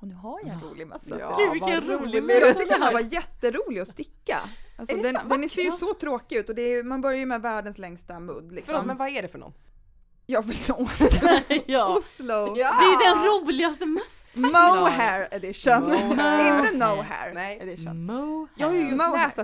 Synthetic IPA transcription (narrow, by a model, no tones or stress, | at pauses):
nʉɦaɾnɾṵːlɪmɛsvɪɾuːlɪjɑɡt̪ʏk̚t̪əh̪avajɛt̪ːəɾuːlɪɡɔst̪ɪkːa̰asɔd̪ɛnd̪ɛnæseːjəsɔt̪ʰɾoːkɪʉ̟ːt̪ɔd̪ɛːɾjmanbœɾjaəmɛvæːɖənslɛŋst̪amɵ̰d̪lɪksɔmmɛnvaæɖɛfœɳɔ̰n | jɑːɡvɪlːot̪ | ʊslʊd̪ɛjd̪ɛnɾuːlɪɡast̪əmœst̪moʊɦɛɾɛd̪ɪʂənɪnt̪ənoʊɦæ̰ɾɛd̪ɪʂə̰nmjɑhjmɛːst̪